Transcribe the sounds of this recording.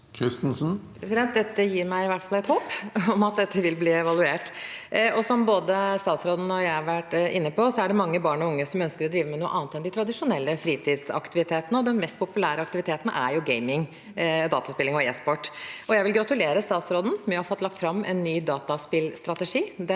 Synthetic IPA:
kʰɾɪst̪n̩sn̩pʰɾɛsɪd̪ɛnt̪̚d̪ɛt̪ːəjiːɾmæɪɪʋæʈfɑlɛt̪hoːpɔmɑt̪̚d̪ɛt̪ʰːəʋɪlbliːɛʋɑlʉeːʈɔsɔmboːd̪əst̪ɑːt̪sɾoːd̪n̩ɔjæɪhɑɾʋæʈːʔɪnːəpɔsɔæɖɛmɑŋːəbɑːɳɔʊŋːəsɔmœnskəɾɔd̪ɾiːʋəmɛnuːəʔɑːnt̪ɛnd̪ɪt̪ʰɾɑd̪ɪʂʊnɛlːəfɾiːt̪ʰiːd̪sɑ̰kt̪ɪʋɪt̪ʰeːt̪ənəɔd̪ɛnmɛst̪̚pʰʊpʉlæːɾəɑkt̪ɪʋɪt̪ʰeːt̪ənə̰ʔæ̰ɾjʊɡeɪmɪŋ | d̪ɑːt̪ɑspɪlɪŋɔeːspɔʈːɔjæɪʋɪlɡɾɑt̪ʉleːɾəst̪ɑːt̪sɾɔd̪n̩mɛɑfɔt̪ːlɑk̚t̪fɾɑmːʔɛ̰nːyːd̪ɑːt̪ɑspɪlst̪ɾɑt̪əʂiːd̪ɛ

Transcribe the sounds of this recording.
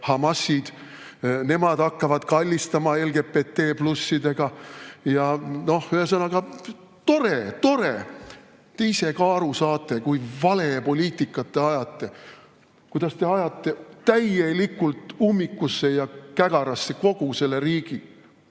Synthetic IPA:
hɑmɑsʲːid̪̥ | ne̞mɑd̪̥ɑkːɑvɑd̪̥kɑlʲːist̪ɑmɑe̞lɡ̥e̞pːe̞t̪ːe̞ːplusːid̪e̞ɡ̥ɑjɑno̞hhyhesɤnɑɡ̥ɑ | t̪o̞ɾet̪o̞ɾe | t̪eijse̞kɑːɾusɑːt̪ːˑe̞kujvɑle̞po̞lʲiːt̪ˑikːˑɑt̪ːe̞ɑjɑt̪ːˑe̞ | kujd̪̥ɑst̪e̞ɑjɑt̪ːˑe̞t̪æje̞likːult̪ˑumːikːˑusːe̞jɑkæɡ̥ɑɾɑsːe̞ko̞ɡ̥use̞lːe̞ɾiːɡ̥i

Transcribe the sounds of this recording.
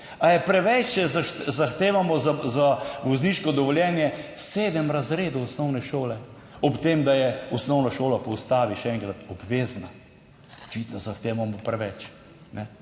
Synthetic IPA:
ajɛpɾɛʋɛt͡ʃɛzazaxt̪eːʋamɔzazaʋɔzniːʃkɔd̪ɔʋɔljɛːnjɛseːd̪əmɾazɾeːd̪uɔsnɔwnɛʃoːlɛ | ɔpt̪eːmd̪ajɛɔsnɔwnaʃoːlapɔwst̪aːʋiʃɛɛŋkɾat̪ɔbʋeːzna | ɔt͡ʃit̪nɔzaxt̪eːʋamɔpɾɛʋɛt͡ʃ | nɛ

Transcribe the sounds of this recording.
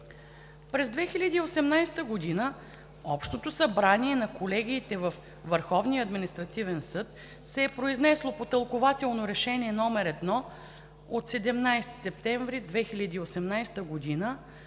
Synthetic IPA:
pɾɛzd̪vɛxilʲɐd̪iːosɛmnajst̪əɡod̪inə | ɔpʃt̪ot̪osɐbɾaniɛnɐkolɛɡ̟ʲiːt̪ɛvəf | vəɾxɔvniəːd̪minist̪ɾɐt̪ivɛnsɤt̪ | sɛːpɾoiznɛslˠopot̪ɐlˠkovat̪ɛlˠnoɾɛʃɛnʲiɛnɔmɛɾɛd̪nɔ | ot̪sɛd̪ɛmnajst̪i̥sɛp̚t̪ɛɱvɾid̪vɛxilʲɐd̪iːosɛmnajst̪əɡod̪inə

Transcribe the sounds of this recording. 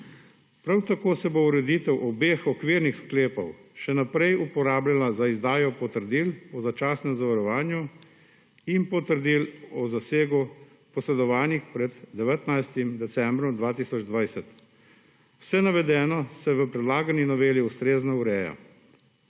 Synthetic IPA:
pɾawt̪akoːsɛbouɾɛd̪iːt̪ɛwʔɔbeːxɔkʋiɾnixskleːpɔwʃɛnapɾɛjupɔɾaːblalazaizd̪aːjɔpɔt̪əɾd̪iːlɔzat͡ʃaːsnɛmzaʋɐɾɔʋaːnju | inpɔt̪əɾd̪ilɔzaseːɡu | pɔsɾɛd̪ɔʋaːnixpɾɛd̪ːɛʋɛt̪najst̪imd̪ɛsɛmbɾɔmd̪ʋaːt̪iːsɔd͡ʒd̪ʋajsɛt̪ | wsɛnaʋɛd̪ɛːnɔsɛʋəpɾɛd̪laːɡaninɔʋeːliust̪ɾeːznauɾɛːja̰

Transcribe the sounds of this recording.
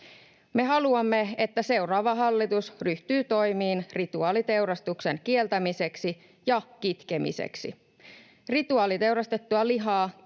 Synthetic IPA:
me̞ɦɑluɑmːe̞et̪ːæse̞wrɑːʋɑɦɑlːit̪usryht̪yːt̪o̞jmiːnrit̪uɑːlit̪e̞wɾɑst̪ukse̞nkie̞lt̪æmise̞ksi | jɑkit̪ke̞mḭsḛksḭ | rit̪uɑːlit̪e̞wɾɑst̪e̞t̪ːuɑliɦɑː

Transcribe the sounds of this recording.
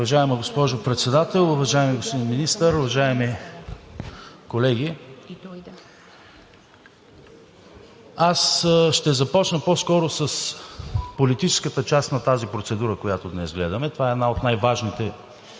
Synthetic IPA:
ʊvɐʒaɛməɡospɔʒopɾɛt̪sɛd̪at̪ɛlˠʊvɐʒaɛmiɡospod̪inminist̪əɾʊvɐʒaɛmi | kolɛɡ̟i | asʃt̪ɛzɐpɔt͡ʃnəpɔskɔɾosɐs | polit̪it͡ʃɛ̥skət̪ət͡ʃast̪nɐt̪azipɾot̪sɛd̪uɾəkojat̪od̪nɛzɡlɛd̪ɐmɛt̪ovaɛd̪naot̪najvaʒnit̪ɛ

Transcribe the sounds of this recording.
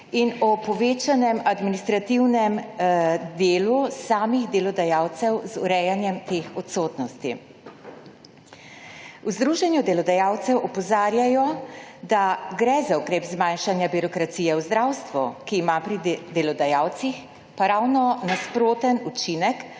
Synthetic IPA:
inɔpɔʋeːt͡ʃanɛmad̪minist̪ɾat̪iwnɛm | d̪eːlusaːmiɣd̪elɔd̪ajawt̪sɛwzuɾɛjanjɛmt̪eːxɔt̪soːt̪nɔst̪i | uzd̪ɾuʒɛnjud̪ɛlɔd̪ajawt̪sɛwʔɔpɔzaːɾjajɔd̪aɡɾɛzaukɾeːpzmajnʃanjabiɾɔkɾat̪sijɛwzd̪ɾawst̪ʋukiːmapɾid̪ɛlɔd̪ajawt̪six | paɾaːwnɔnaspɾoːt̪ənut͡ʃinɛk

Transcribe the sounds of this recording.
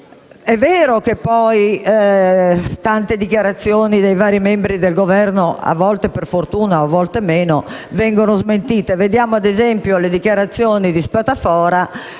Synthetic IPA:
ɛvːɛːɾokepːɔj | t̪ant̪ed̪ikjaɾat̪sːjoːnid̪ejvaːɾimɛmbɾid̪elɡovɛrnoa̰vːɔlt̪eperfort̪uːnaoavːɔlt̪emeːnovɛŋɡonozment̪iːt̪eved̪jaːmoad̪ezɛmpjoled̪ikjaɾat̪sːjoːnid̪ispat̪afɔːɾa

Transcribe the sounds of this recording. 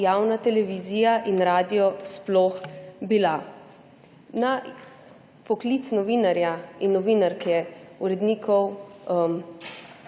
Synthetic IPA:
jaːwnat̪ɛlɛʋiziːjaʔinɾaːd̪ijɔsplɔxbila | na | pɔklit̪snɔʋinaɾjainːɔʋinaɾkɛuɾɛd̪niːkʰɔwm

